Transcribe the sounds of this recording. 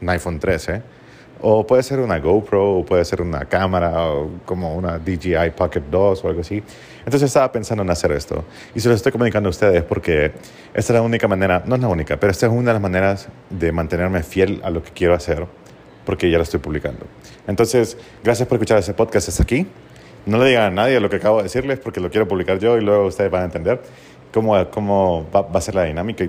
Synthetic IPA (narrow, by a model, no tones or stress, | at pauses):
najfont̪ɾese | opwe̞ðese̞ɾunaɣowpɾoopwe̞ðese̞ɾuna̰kamaɾaoko̞mounad̪iʝiajpaket̪̚d̪osoalɡɣoasi | ent̪onsesest̪aβape̞nsand̪oenase̞ɾe̞̰st̪o̞̰ | isilosest̪ojko̞mũnikand̪oust̪e̞ðespo̞ɾke̞ | est̪aezlaunikamãne̞ɾano̞ezlaunikapeɾoest̪oes̬unaðelazmane̞ɾaz | ðe̞mãnt̪e̞ne̞ɾme̞fje̞la̰lo̞ke̞̥kje̞ɾo̞ase̞ɾ | po̞ɾke̞ʝaloest̪ojpuβlika̰nd̪o̞̰ | ent̪o̞nse̞s | ɡɾasjaspoɾeskut͡ʃaɾest̪epo̞ðkast̪est̪aki | no̞leðiɣaanaðjelo̞keakaβðeesiɾlespoɾkelo̞kje̞ɾo̞puβlikaɾʝo̞ilwe̞ɣoust̪eðezβanaent̪e̞nd̪e̞ɾ | ko̞moko̞moabase̞ɾlaðinamika